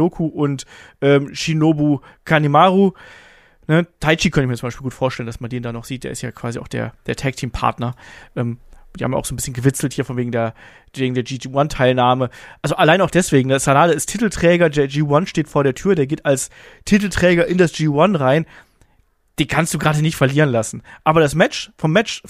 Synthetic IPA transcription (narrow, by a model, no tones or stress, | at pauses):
oːkʰuʔʊntʔɛːmʃinoːbuː | kʰanimaːʁu | nətʰaɪt͡ʃiːkʰœntəçmiɐt͡sʊmbaɪʃpilɡuːtfoːɐʃtɛləndasmandeːndaːnɔχz̥iːt̚d̥eːɐɪstja̰ːkʰv̥aːziʔaʊxd̥ḛːɐd̥eːɐtʰɛk̚tʰiːmpʰa̰ɐtnɐʔɛːmdiːhamja̰ʊxzoːnbɪsçənɡəvɪt͡sl̩thiːɐfɔnveːɡŋ̩deːɐ | veːɡŋ̩deːɐd͡ʒiːd͡ʒiwantʰaɪlnaːməʔalzoʔalaɪnaʊxd̥ɛsv̥eːɡŋ̩nasanaːdəɪstʰitl̩tʁ̥ɛːɡɐdeːd͡ʒiːwanʃteːtfoːɐɾeːɐtʰyːɐdeːɐɡeːtals | tʰit̬l̩tʁ̥ɛːɡɐʔɪndasd͡ʒ̥iːwanʁaɪn | d̥eːnkʰanst̚d̥uːɡʁaːdənɪçtfɐliːʁənlasn̩ʔaːbɐɾasmɛt͡ʃfɔmːɛt͡ʃ